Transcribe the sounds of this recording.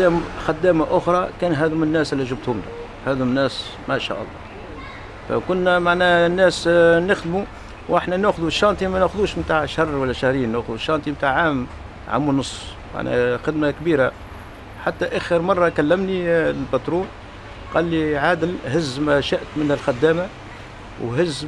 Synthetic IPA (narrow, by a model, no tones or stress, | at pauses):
æmxæd̪ːæːmaʔʊxɾˤɑkænɦæd̪ʊmənːæːslːiʒəb̚t̪hʊmlæ | hæd̪ʊmnːæːs | mæʃæ̰ʔɑ̰lˤːɑ̰ | fæ̰kʊnːæmaʕnænːæsnəxd̪mu | wʔaħnænæxʊðuʃːɑnt̪ˤimænæxʊðuʃmt̪aʕʃhɑrˤːwælːæʃahɾiːnːæxʊðuʃːɑnt̪imt̪aʕːaːm | ʕa̰mːunʊsˤː | ma̰ʕnæ̰xɪd̪makbiːɾa | ħat̪ːæʔæxəɾmɑrˤːɑkælːəmnilbæt̪ɾuːn | qɑlːiʕaːd̪əlhɪzːmæʃaʔt̪mənhəlxæd̪ːæːma | wɦɪz